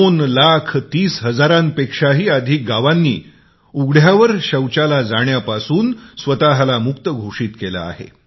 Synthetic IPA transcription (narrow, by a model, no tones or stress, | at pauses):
onlakʰt̪iːsɦəd͡zaɾãnpekʂaɦiːad̪ʱiːk̚ɡaʋanːḭː | uɡɽ̤jaʋəɾɕəwt͡ɕalad͡zaɽjapasuːnsʋət̪aɦlamukt̪əɡʱoʂiːt̪kela̰ːɦḛ